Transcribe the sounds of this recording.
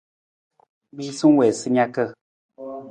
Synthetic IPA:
mi˦su˦ŋ˦wɛ˨sɨ˦ɲa˦kə˦˨

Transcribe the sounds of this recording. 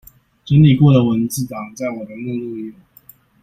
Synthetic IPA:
t͡ɕə˧˥nli˨˩kwɔ˥˩d̪ə˨˩wə˧˦˥nt͡sɹ̩˥˩ʈ͡ʂɑ˨˩ŋt͡sa˥˩ɪwɔ˨˩d̪ə˧˦nu˥˧lu˥˧˥

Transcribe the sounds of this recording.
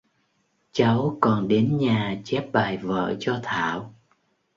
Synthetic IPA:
t͡ɕa˨˦wkɔ˨˩nɗe˨˦nɲaː˨˩t͡ɕɛ˦˥p̚ɓaː˨˩jvə̰ː˧˨t͡ɕɔ˧t̪ʰa̰ː˧˨w

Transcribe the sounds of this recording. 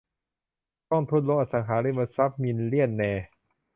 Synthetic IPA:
t̪ɔ˥˩ŋt̪ʰu˧˥˩t̪lo˧˥ʔa˧˩saː˨˦ŋkʰaː˩˦˥li˧˥˩ba˧˩sa˦˥p̚mi˧nli˥˩ənːɛː˧

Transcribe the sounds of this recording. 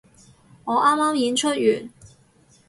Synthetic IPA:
ŋɔː˨˧˥ʔaː˥mːaː˥mji˨˥nt͡ʃʰɵ˥t̚yː˨˩n

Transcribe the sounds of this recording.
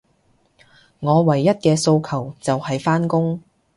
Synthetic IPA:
ŋɔː˨˧wɐ˨˩jːɐ˥t̚kɛː˧so˧wkʰɐ˨˩wt͡sɐ˨whɐ˨jfaː˥nkʊ˥ŋ

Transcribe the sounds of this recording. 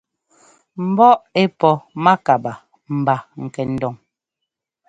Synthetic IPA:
m̩˨bɔ˦ʔe˦pɔ˨ma˦ka˨ba˨ | m̩˨ba˨ŋ̩˨kɛ˨n̩˦dɔ˨ŋ

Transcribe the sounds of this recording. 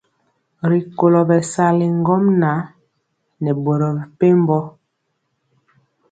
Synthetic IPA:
ɾi˨ko˨lɔ˨bɛ˨sa˦li˨ŋ˦ɡɔ˦mna˨˦ | nɛ˨bo˨ɾɔ˨bɛ˨pe˦m˦bɔ˦

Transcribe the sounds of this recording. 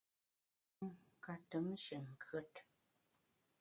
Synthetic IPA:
ŋ˨ka˨tə˨˦mʃə˨ŋ̩˨kə˦t

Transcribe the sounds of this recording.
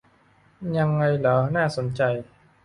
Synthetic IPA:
ja˧ŋːa˧jlaː˩˦naː˥˩so˩˦nt͡ɕa˧j

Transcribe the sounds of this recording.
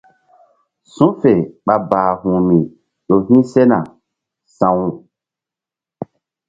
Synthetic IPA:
sũ˦fe˨ɓa˧baː˨hũ˨mĩ˨ | ɗo˨vĩ˦sɛ˦nã˨ | sã˨wu˨

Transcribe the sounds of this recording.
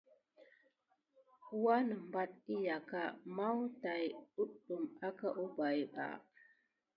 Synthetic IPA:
u˦wa˦nə˨m˨ba˦t̚i˦ja˨ka˦ma˦wta˨ju˦ɗu˨ma˦kə˦ʔu˦ba˨jɓa̰˨

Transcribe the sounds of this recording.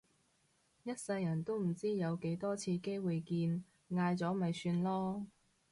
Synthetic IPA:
jɐ˥t̚sɐ˧jjɐ˨˩nt̪o˥wm̩˨˩t͡siː˥jɐ˨˧wke˨˥jt̪ɔː˥t͡sʰiː˧ke˥jwu˨jkiː˧n | ŋaː˧jt͡sɔː˨˥mɐ˨jsyː˧nlɔː˥

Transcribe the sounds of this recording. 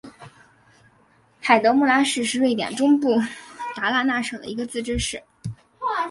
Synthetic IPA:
xa˨˩ɪt̪ɤ˧˥mu˥˩la˥ʂɻ̩˥˧ʂɻ̩˥˧we˥˩ɪt̪jɛ̰˨˩nʈ͡ʂʊ˥ŋpu˥˩t̪a˧˥la˥˧na˥˩ʂɤ˨˩d̪ə̰˧i˧˥ɡə˧t͡sɹ̩˥˩ʈ͡ʂɻ̩˥ʂɻ̩˥˩

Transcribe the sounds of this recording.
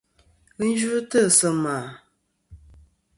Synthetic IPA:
ə˦n̩˦d͡ʒu˦tə˦˨sə˨maː˨

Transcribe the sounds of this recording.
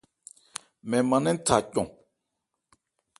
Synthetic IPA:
mɛ̃˨mã˨nɛ̃˦n̩˦tʰa˨cɔ̰̃˨

